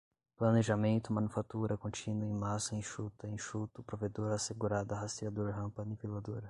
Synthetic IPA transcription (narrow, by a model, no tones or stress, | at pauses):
plɐneʒamẽnt̪ʊmɐ̃nufat̪uɾɐkõt͡ʃĩnʊẽj̃masɐẽj̃ʃut̪ɐẽʃut̪ʊpɾoved̪oɾaseɡuɾad̪ɐɦast̪ɾiad̪oɾɦɐ̃mpɐnipilad̪oɾɐ